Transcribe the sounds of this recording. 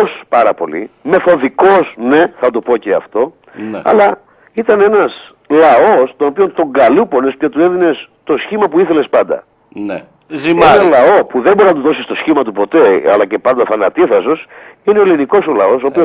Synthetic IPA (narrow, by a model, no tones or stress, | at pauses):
ospɐɾɐpo̞̰lḭme̞θo̞ðiko̞sne̞θɐt̪opo̞ceɐ̰ft̪o̞ | ɐ̰lɐ | it̪ɐne̞nɐs | lɐo̞st̪ono̞pio̞nt̪o̞ŋɡɐlupo̞ne̞spcet̪ue̞ðine̞st̪o̞sçimɐpuiθe̞le̞spɐnd̪ɐ̰ | n | zenɐlɐo̞puðembo̞ɾiznɐt̪uðo̞sist̪o̞sçimɐt̪upo̞t̪e̞ɐ̰lɐce̞pɐnd̪ɐθɐnɐt̪iθɐsosineoliniko̞solɐo̞so̞ːpio